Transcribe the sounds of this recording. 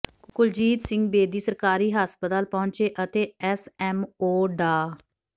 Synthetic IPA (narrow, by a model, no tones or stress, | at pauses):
kʊld͡ʒiːt̪sɪ̃ŋɡ̚beːd̪iːsəɾkaːɾiːɦaspət̪aːlpɔ̃ːɲt͡ʃeːʔət̪eːɛsɛːmoːɖaː